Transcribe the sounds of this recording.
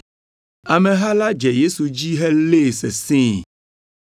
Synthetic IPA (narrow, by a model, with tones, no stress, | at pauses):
a˨mɛ̃˨ɦa˦la˦d͡ʒɛ˨je˦su˨d͡ʑi˦ɦɛ˦le˦˨sɛ̰˨sĩ˦